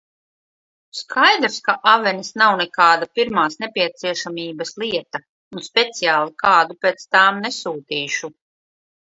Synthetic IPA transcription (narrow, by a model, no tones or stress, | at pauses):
skʰajd̪ɾskaʔavɛnʲisnawnɛkaːd̪apiɾmaːsnɛpʲiɛt̪siɛʃamʲiːbɐsliɛt̪a | unspʲet̪sijaːlˠikaːd̪upeːt̪st̪aːmnɛsuːt̪iːʃu